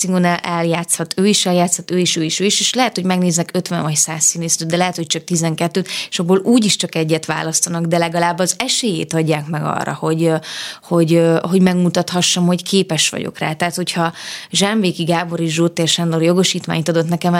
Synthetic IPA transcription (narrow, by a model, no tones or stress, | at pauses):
siŋɡonɛʔɛljaːt̪shɒt̪ʰøːiʃɛljaːt̪shɒt̪øːiʃøːiʃøːiʃeːʃlɛɦɛt̪ho̞ɟmɛɡneːznɛkøt̪ʋɛɱvɒcsaːsːineːsɾøːd̪d̪ɛlɛɦɛt̪ho̞c̚t͡ʃɒk̚t̪izɛŋkɛt̪ːøːt̪eʃɒbːoluːɟiʃt͡ʃɒkɛɟːɛt̪ʋa̰ːlɒst̪ɒnɒɡd̪ɛlɛɡɒlaːbːɒzɛʃeːjḛːt̪ɒɟːaːkmɛɡɒ̰rːɒ̰ho̞ɟho̞ɟho̞ɟmɛɡmut̪ɒt̪hɒʃːɒmho̞ckʰeːpɛʃʋɒ̰ɟo̰kra̰ːt̪ɛɦːt̪hochɒʒɛɱveːkiɡaːbo̞ɾeːʒʒoːt̪ːeːrʃɛnd̪orjo̞ɡo̞ʃiːt̪ʋa̰ːɲt̪ɒd̪o̞t̪nɛkɛm